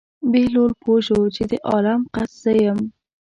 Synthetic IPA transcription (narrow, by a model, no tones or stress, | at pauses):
belolpʰoʃot͡ʃed̪əʔɑlamqasz̥əjəm